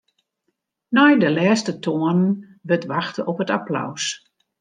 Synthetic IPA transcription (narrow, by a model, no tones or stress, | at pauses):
nɔjdəlɛːstətʰoənən | ʋətʋaxtəɔpətapla̰ws